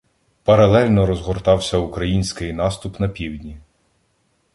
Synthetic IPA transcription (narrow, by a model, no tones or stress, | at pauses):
pɐɾɐlˠɛlʲnɔɾɔzɦɔrt̪ɑwsʲɐukɾɐjinʲsʲkɪjnɑst̪ʊpnɐpʲiwdʲnʲi